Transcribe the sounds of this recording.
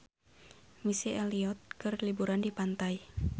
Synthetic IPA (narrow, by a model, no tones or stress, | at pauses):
misiɛliɔt̪̚kɨrlibuɾandipant̪ai